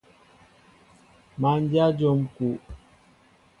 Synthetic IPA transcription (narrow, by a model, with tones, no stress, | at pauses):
ma˨n˦d͡ʒja˦d͡ʒo˨mku˨